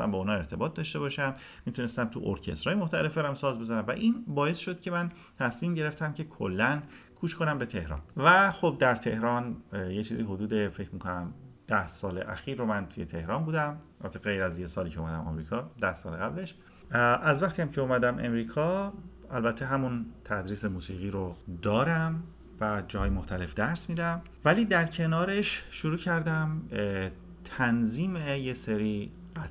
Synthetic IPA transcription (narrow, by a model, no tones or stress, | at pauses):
sæ̰mbɒunhɒːe̞ɾt̪ʰe̞bɒːt̪̚d̪ɒʃt̪e̞βɒːʃæm | mit̪ʰune̞st̪æmt̪ʰṵʔo̰ɾcʰest̪ɾɒːjeoxt̪ʰæle̞fbæɾæmsɒːzbe̞zænæmvæ̰ʔinbɒːje̞sʃod̪̥̚cʰe̞mæn | t̪ʰæsmiːmɟe̞ɾe̞ft̪ʰæmcʰe̞kʰo̰lːæn | kʰuːʃkʰo̞næmbe̞t̪ʰe̞hɾɒ̰ːnvæxo̞b̚d̪æɾt̪ʰe̞hɾɒnjet͡ʃʰiːziho̞d̪uːd̪e̞fe̞cʰmiːkʰonæmd̪̥æhsɒːlḛʔæ̰xiːɾːomænt̪ʰuje̞t̪ʰe̞hɾɒːnbuːd̪æmæbæt̪ʰeɣe̞jɾæzjesɒːliːcʰeumæd̪æ̰mɒ̰mɾiːkʰɒːd̪æhsɒːleɣæble̞ʃ | ʔæzvæxt̪ʰijæmcʰe̞omæd̪æmʔe̞̰mɾiːkʰɒː | ælbæt̪ʰːeɦæmunt̪ʰæd̪ɾiːsemuːsiːɣiːɾod̪ɒːɾæm | væd͡ʒɒːɦɒːjemoxt̪ʰæle̞fd̪æɾsmiːd̪æm | væliːd̪æɾcʰe̞nɒːɾeʃʃoɾuːcʰæɾd̪æm | t̪ʰænziːmejeseɾiː | ɢæt̪